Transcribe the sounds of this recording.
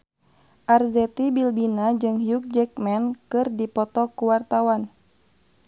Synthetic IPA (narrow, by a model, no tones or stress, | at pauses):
ʔarzɛt̪ibilbinad͡ʒɨŋjuk̚d͡ʒɛk̚mɛnkɨrdipɔt̪ɔkuwart̪awan